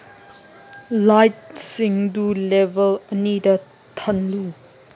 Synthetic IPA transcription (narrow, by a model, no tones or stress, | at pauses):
lajt̚siŋdulɛbɐlənidɐ | t̪ʰɐnlu